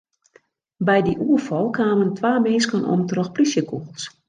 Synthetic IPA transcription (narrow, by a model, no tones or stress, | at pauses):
bɛjdiʔuəfɔlˠkaːməntʋaːmenskənʔɔ̰mtrɔxplisjəkʰuɣlˠs